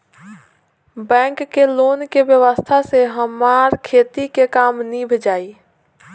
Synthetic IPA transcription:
bɛ̃ːŋkkːeloːnkebjəʋəst̪ʰaseɦəmaːɾkʰeːt̪ikekaːmnibʱd͡ʒaːi

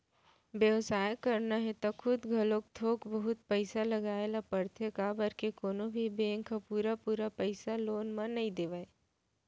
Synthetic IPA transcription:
bjəʋsaːjkɐɾnaɦɛt̪akʰʊd̪ɡʱɐlõk̚t̪ʰoːkbɐɦʊt̪̚pəɪsalɐɡaːelapəɾt̪ʰekabəɾkekoːnobʱibẽːŋkapuːɾapuːɾapəɪsaloːnmãnɐɦĩd̪eːʋaːe

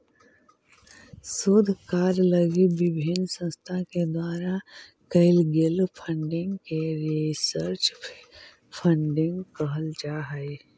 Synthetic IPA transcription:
soːd̪ʱkaːɾləɡiʋɪbʱinsə̃nst̪ʰaked̪waːɾa | kəɪlɡɪlpʰə̃ɳɖɪ̃ŋɡkeɾisəɾt͡ʃ | pʰə̃ɳɖɪ̃ŋɡkəɦəld͡ʒaːɦəe

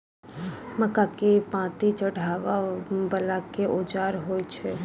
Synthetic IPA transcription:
məkakepãt̪it͡ʃəɽ̤ʱaʋabəlakeʔod͡ʒaɾɦojt͡ʃʰe

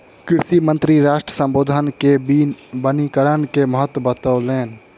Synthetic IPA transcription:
kɪɾʃimə̃nt̪ɾiɾaːʃʈɾəsə̃mboːd̪ʱənkebinbənikəɾənkeməɦət̪ːwəbət̪əleːn

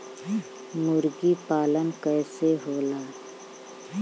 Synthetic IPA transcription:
mʊɾɡipaːlənkɛːseɦoːlaː

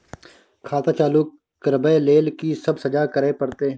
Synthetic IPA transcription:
kʰaːt̪aːt͡ʃaːluːkː | əɾbəeleːlkisəbsəd͡ʒaːkəɾeːpəɾt̪eː

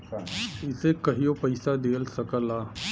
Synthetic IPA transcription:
ɪsekɐɦijopɐɪsad̪eːlsɐkəlaː

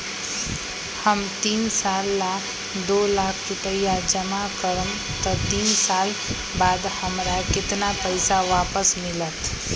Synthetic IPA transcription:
həmt̪iːnsaːlːa | d̪oːlaːkʰɾʊʈəjad͡ʒəmakəɾəm | t̪ɔt̪iːnsaːl | baːd̪həmɾakɪt̪napəɪsaʋaːpəsmɪlət̪

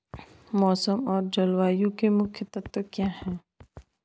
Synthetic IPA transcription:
mɔːsəmɔːɾd͡ʒɐlwaːjũkemʊkʰjət̪ɐt̪wəkjaːɦɛ̃ː

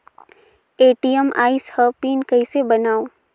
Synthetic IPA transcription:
eːʈijəma̰ːɪshəpiːnkɐɪsebɐnaːo

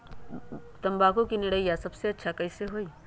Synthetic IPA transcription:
t̪ɐmbaːkõkinɪɽəijasɐbseɐtːʃʰakɐɪseɦoːi

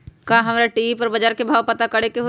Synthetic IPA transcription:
kãːɦɐmɾaʈiːpəɾbɐd͡ʒaːɾkebʱaːwpɐt̪akɐɽekeɦo

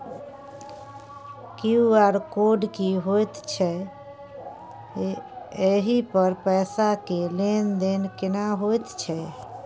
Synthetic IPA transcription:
kiuaɾkoɖkiɦojt̪t͡ʃʰɛ | eɦipəɾpəɪsakelend̪enkɪnaɦojt̪t͡ʃʰɛ

